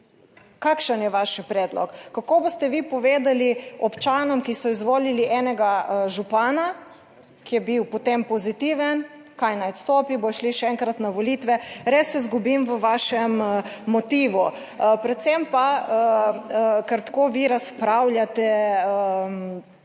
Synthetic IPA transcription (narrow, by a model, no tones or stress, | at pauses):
kakʃənjɛʋaʃpɾɛːd̪lɔ̰kːakoːbost̪ɛʋiːpɔʋeːd̪aliɔpt͡ʃaːnɔmkisɔizʋoːliliʔɛːnɛɡaʒupaːna | kijɛbiwpɔt̪empɔzit̪iːʋən | kajnajɔt̪st̪oːpibojʃliʃɛɛŋkɾat̪naʋoliːt̪ʋɛɾesːɛzɡubimʋəʋaːʃɛmːɔt̪iːʋu | pɾɛt̪sɛmpa | kɛɾt̪koːʋiɾaspɾawlʲjat̪ɛəm